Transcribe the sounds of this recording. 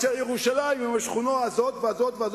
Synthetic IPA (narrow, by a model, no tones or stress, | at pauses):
ejeʁuʃalaimimaʃχunoazot̪veazot̪veaz